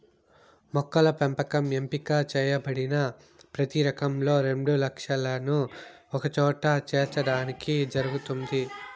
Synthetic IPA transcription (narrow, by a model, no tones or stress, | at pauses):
mɔkːɐlɐpempɐkɐmempikaːt͡ʃɛːjɐbɐɽinɐ | pɾɐt̪iɾɐkɐmlo̞ːɾe̞ɳɖulɐkʂɐlɐnuɔkɐt͡ʃɔːʈɐt͡ʃeːɾt͡ʃɐɽaːnikid͡ʒɐɾuɡut̪und̪i